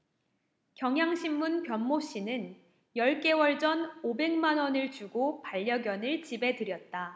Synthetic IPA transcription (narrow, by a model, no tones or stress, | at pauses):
kjʌŋɦjaŋɕʰimːunkjʌnmoɕ͈inɯn | jʌɭk͈e̞wʌɭd͡ʑʌnobe̞ŋmanwʌnɯɭt͡ɕuɡopaʎːʌɡjʌnɯɭt͡ɕibe̞tɯɾjʌt̚t͈a